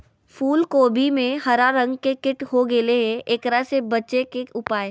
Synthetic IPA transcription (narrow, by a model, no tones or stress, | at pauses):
fʰuːlkoːbʱimẽɦɐɾaɾə̃ŋɡkekɪʈɦoɡeleɦẽʔeːkɾasebɐtːʃekeʊpaːe